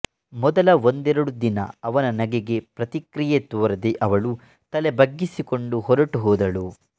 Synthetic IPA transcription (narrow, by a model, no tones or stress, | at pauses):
mɔd̪ɐlɐo̞nd̪ɛɾɐɽud̪inɐ̰ɐʋɐnɐnɐɡeɡe̞pɾɐt̪ikɾijet̪uʋɐɾɐd̪eʔɐʋɐɭu | t̪ɐlebɐɡːisikoɳɖuɦɔɾɐʈuɦɔːd̪ɐɭu